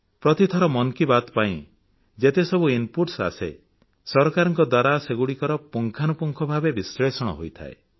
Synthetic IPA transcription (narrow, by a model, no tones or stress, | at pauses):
pɾɔt̪it̪ʰɔɾɔmɔnkibat̪ɔpaĩ | d͡ʒet̪esɔbuinpuʈsa̰sḛ | sɔɾkaɾɔŋkɔd̪waɾaseɡuɽikɔɾɔpuŋkʰanupuŋkʰɔbʱabebisɾesɔɽ̃ɔ̰ɦojt̪ʰa̰e